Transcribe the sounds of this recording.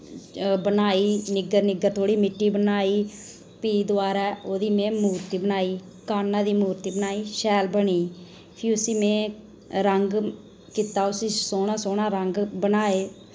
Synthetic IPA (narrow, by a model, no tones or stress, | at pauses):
bənaːiːnɪɡəɾnɪɡəɾt̪ʰoːɽiːmɪʈːiːbənaːiː | piːd̪ʊaːɾɛːoːd̪iːmẽːmuːɾt̪iːbənaːiː | kaːnːãːd̪iːmuːɾt̪iːbənaːiːʃɛːlbəɳiː | pʰiʊsiːmẽː | ɾəŋɡ | kɪt̪aːʊsiːsoːɳaːsoːnaːɾəŋɡbənaːeː